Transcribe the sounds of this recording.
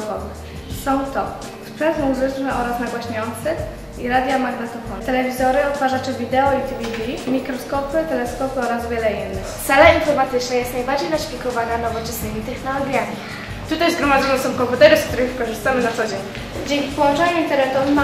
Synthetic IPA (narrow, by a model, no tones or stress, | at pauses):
wɔv | sɔ̃w̃t̪ɔ | spʂɛnt̪muzɘt͡ʂnɛʔɔɾasnaɡwaɕɲɛɔnt̪sɛ | iɾad̪jamaɡnɛt̪ɔfɔnt̪ɛlɛvʲizɔɾɘɔt̪faʐat͡ʂɛvʲid̪ɛɔit̪ivʲid̪ʲimʲikɾɔskɔpɘt̪ɛlɛskɔpɘɔɾasvʲjɛlɛinːɘxt̪sɛlaawfɔmat̪ɘt͡ʂnɛjɛst̪najbaɾd͡ʑejnaɕfʲikɔvananɔvɔt͡ʂɛsnɘmʲit̪ɛxnɔlɔɡjamʲi | t̪ut̪ajzɡɾɔmad̪zɔnɛsɔ̃w̃kɔmput̪ɛɾɘsk̚t̪uɾɘxfkɔʐɘst̪amɘnat̪sɔd͡ʑeɲ | d͡ʑeŋkʲipɔwɔ̃nt͡ʂaɲɛint̪ɛɾɛt̪ɔma